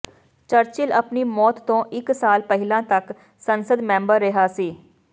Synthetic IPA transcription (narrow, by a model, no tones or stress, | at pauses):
t͡ʃəɾt͡ʃɪləpniːmɔːt̪ːõːʔɪksaːlpəɦɪlãːt̪ək | sənsəd̪mɛ̃ːmbəɾːɪɦaːsiː